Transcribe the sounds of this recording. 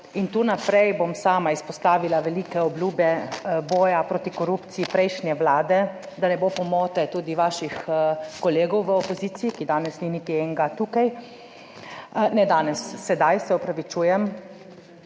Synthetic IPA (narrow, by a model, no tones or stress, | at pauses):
int̪unapɾɛjbomsaːmaispɔst̪aːʋilaʋɛliːkɛɔbluːbɛbɔːjapɾoːt̪ikɔɾupt̪siipɾɛjʃnʲjɛʋlaːd̪ɛ | d̪anɛbopɔmoːt̪ɛt̪uːd̪iʋaːʃixkɔleːɡɔwʋəɔpɔziːt̪siikid̪aːnɛsninit̪iɛŋɡat̪uːkaj | nɛd̪aːnɛsːɛd̪ajsɛɔpɾaʋit͡ʃuːjɛm